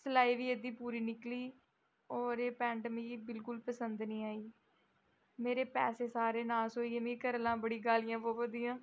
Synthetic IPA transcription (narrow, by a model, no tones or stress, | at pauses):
səlaːiːʋiːed̪iːpuːɾiːnɪkliː | ɔːɾeːpɛ̃ːɳɖəmiːbɪlkʊlpəsənd̪nĩːaːiː | meːɾeːpɛ̰ːseːsaːɾeːnaːsoːiːemĩːkəɾlãːbəɽiːɡaːlɪjãːpoːʋəd̪ijãː